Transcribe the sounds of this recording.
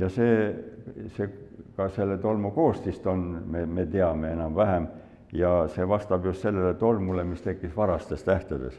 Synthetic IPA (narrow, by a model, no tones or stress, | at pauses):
jɑseː | sekɑselːet̪o̞lmuko̞ːst̪ist̪o̞nmemet̪eɑmeenɑmvæɦæm | jɑseʋɑst̪ɑb̥just̪se̞lːelet̪o̞lmulemist̪ekːisʋɑɾɑst̪est̪æht̪ed̪ḛs